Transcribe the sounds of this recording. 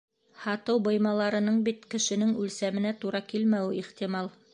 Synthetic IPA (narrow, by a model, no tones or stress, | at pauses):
hɑt̪ɤwbɤ̆jmɑlˠɑɾɤ̆nɤɴbit̪kɘ̆ʃɘ̆nɘŋʉlsæmɘ̆næt̪uɾɑkilmæwɘiχt̪imɑlˠ